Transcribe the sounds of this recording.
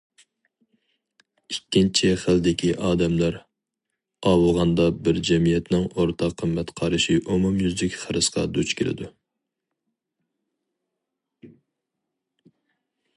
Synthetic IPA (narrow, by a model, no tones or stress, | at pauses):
ikʲːint͡ʃʰiχəld̪ɪkʲʰiʔɑːd̪ɛmlæɾ | ɑːwɨlˠʁɑnd̪ɑbɪɾd͡ʒɛmijɛt̪nɪŋoɾt̪ʰɑqʰːəmːɛt̪qʰɑɾɨʃiʔomumjyzd̪ɪkʲχəɾɨsqʰɑ̰d̪ut͡ʃkʲʰɪlɪ̰d̪u